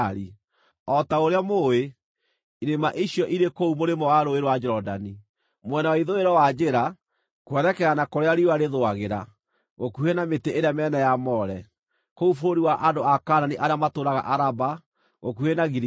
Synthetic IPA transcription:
ɾi | ɔtaoɾeamoe | iɾemaʔiɕjɔʔiɾekoumoɾemɔwaɾoeɾowad͡ʒɛɾɔdani | mwɛnawaiðoeɾɔwad͡ʒeɾa | kwɛnɛkɛɣanakoɾeaɾiwaɾeðoaɣeɾa | ɣokuhenameteʔeɾeamɛːnɛjamɔɾɛ | koufoɾoɾiwaʔadoakaːnaniʔaɾeamatoɾaɣa̰ʔaɾaba | ɣokuhenaɣiɾ

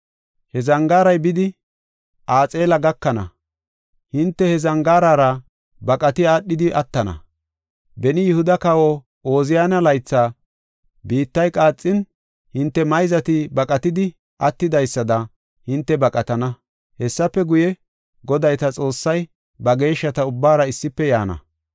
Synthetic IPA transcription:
hɛzɐŋɡaːɾɐjbɪd̪ɪ | ʔaːt͡sʼe̞ːlɐɡɐkːɐnɐ̰ | hɪnt̪ːɛhɛzɐŋɡaːɾaːɾɐ | bɐkʼɐt̪ɪaːɗːɪd̪ɪʔɐt̪ːɐnɐ̰ | bɛnɪjʊhʊd̪ɐkɐwɔ | oːzɪjaːnɐlɐjt͡sːaː | biːt̪ːɐjkʼaːt͡sʼːɪn | hɪnt̪ːɛmɐjzɐt̪ɪbɐkʼɐt̪ɪd̪ɪ | ʔɐt̪ːɪd̪ɐjsːɐd̪ɐ | hɪnt̪ːɛbɐkʼɐt̪ɐnɐ | hɛsːɐpːɛɡʊjɛ | ɡɔd̪ɐjt̪ɐt͡sʼo̞ːsːɐj | bɐɡe̞ːʃːɐt̪ɐʊbːaːɾɐɪsːɪpːɛjaːnɐ̰

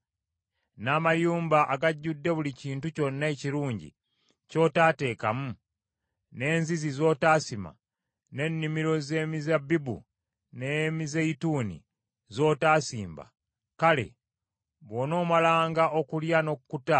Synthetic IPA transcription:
naːmajuːmbaʔaɡaɟːudːe̞βuliciːntuco̞nːaeciɾuːɲɟḭ | co̞ːtaːte̞ːkamu | ne̞ːnzizizo̞ːtaːsima̰ | ne̞nːimiɾo̞ze̞ːmizabibṵ | nemizeitunḭ | zo̞ːtaːsiːmba̰ | kale̞̰ | βo̞ːno̞ːmalaːŋɡaʔo̞kuljano̞kkuta

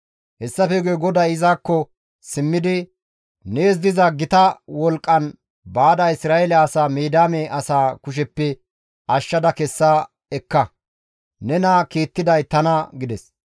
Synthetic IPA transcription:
hɛsːɐfɛɡuɡɔd̪ɐjɪzaːkːɔ | sɪmːɪd̪ɪ | neːz̬d̪ɪzɐɡɪt̪ɐwɔlkʼːɐn | baːd̪ɐɪsɾaːɛlɐːsaːmeːd̪aːmɛʔɐsaːkʊʃ̬ɛpːɛ | ɐʃːɐd̪ɐkɛsːaː | ɛkːɐ | nɛnɐkiːt̪ːɪd̪ɐjt̪ɐnɐɡɪd̪ɛs

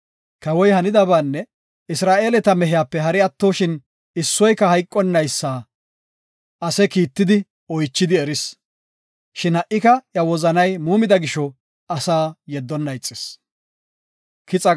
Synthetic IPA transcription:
kɐwɔjhɐnɪd̪ɐbaːnːɛ | ɪsɾaːʔe̞ːlɛt̪ɐmɛɦɪjaːpːɛɦɐɾɪɐt̪ːoːʃɪn | ɪsːɔjkɐhɐjkʼːɔnːɐjsːaː | ʔɐsɛkiːt̪ːɪd̪ɪ | ɔjt͡ʃːɪd̪ɪɛɾɪs | ʃɪnhɐʔːɪkɐjɐwɔzɐnɐjmuːmɪd̪ɐɡɪʃɔ | ɐsaːjɛd̪ːɔnːɐjt͡sʼːɪs | kɪt͡sʼɐ

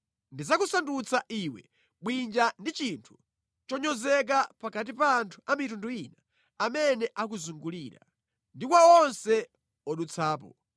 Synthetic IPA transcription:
ndizakusandut͡sʰaʔiwɛ̰ | ɓwind͡ʒandit͡ʃintʰu̥ | t͡ʃɔɲɔzɛk̬apakat̬ipaːntʰu̥amitunduina | amɛnɛʔak̬uzuŋɡuliːɾa̰ | ndikwaɔnsɛ | ɔɗut͡sʰaːpɔ

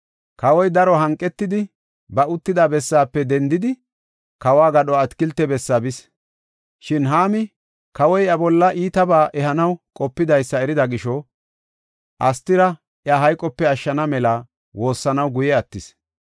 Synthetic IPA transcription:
kɐwɔjd̪ɐɾɔɦɐŋkʼːɛt̪ːɪd̪ɪ | bɐʊt̪ːɪd̪abɛsːaːpːɛd̪ɛnd̪ɪd̪ɪ | kɐwaːɡɐɗɔɐt̪kɪlt̪ːɛbɛsːabɪs | ʃɪnɦaːmɪ | kɐwɔjɐbɔlːɐʔiːt̪ɐbaːʔɛhɐnɐwkʼɔpːɪd̪ɐjsːɐɛɾɪd̪ɐɡɪʃɔ | ʔɐst̪ːɪɾɐ | ʔjɐɦɐjkʼːɔpːɛɐʃːɐnɐmɛlɐ | wo̞ːsːɐnɐwɡʊjɛɐt̪ːɪs

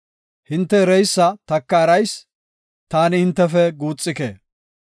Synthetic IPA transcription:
hɪnt̪ːɛɾɛjsːɐt̪ɐkːɐːɾɐjs | t̪aːnɪhɪnt̪ːɛfɛɡuːt͡sʼːɪkḛː

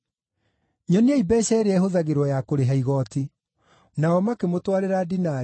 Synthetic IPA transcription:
ɲɔniaibɛɕɛɾeɛhoðaɣeɾwɔjakoɾeɦaiɣɔti | naɔmakemotwaɾeɾadina

